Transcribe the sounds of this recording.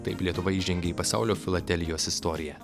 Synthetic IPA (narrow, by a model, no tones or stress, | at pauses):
t̪ɐɪplʲiɛt̪ʊʋɐiːʒʲɛŋʲɡʲeiːpɐsɑʊlʲoːfʲɪlˠɐd̪ʲɛlʲɪjoːsɪst̪ɔːɾʲɪjɛ